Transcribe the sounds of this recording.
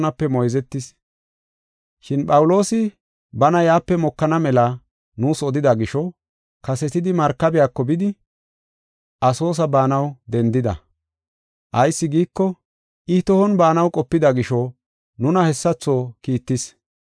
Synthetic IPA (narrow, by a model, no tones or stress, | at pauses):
nɐpːɛmɔjzɛt̪ːɪs | ʃɪnpɐwʊlo̞ːsɪ | bɐnɐjaːpːɛmɔkːɐnɐmɛlɐ | nuːsɔd̪ɪd̪ɐɡɪʃɔ | kɐsɛt̪ɪd̪ɪmɐɾkːɐbɪjaːkːɔbɪd̪ɪ | ʔɐso̞ːs̬ɐbaːnɐwd̪ɛnd̪ɪd̪ɐ̰ | ʔɐjsːɪɡiːkːɔ | ɪt̪ɔhɔnbaːnɐwkʼɔpːɪd̪ɐɡɪʃɔ | nʊnɐhɛsːɐt͡sːo̞ːkiːt̪ːɪs